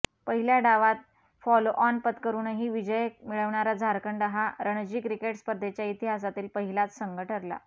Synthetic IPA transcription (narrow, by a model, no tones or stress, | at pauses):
pəɦiljaɖaʋat̪̚ | fɔloʔɔnpət̪kəɾuːnəɦiʋid͡ʑəjmiɭəʋɳaɾad͡zʱaɾkəɳɖaɦaɾəɳd͡ʑiːkɾikeʈspəɾd̪ʱet͡ɕjait̪iɦasat̪iːlpəɦilat̪səŋɡəʈʰəɾla̰